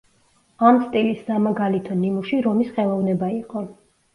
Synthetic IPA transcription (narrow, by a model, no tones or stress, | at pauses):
amst̪ʼilisːamaɡalit̪ʰɔnimuʃiɾɔmisχɛlˠɔvnɛbaiqʼɔ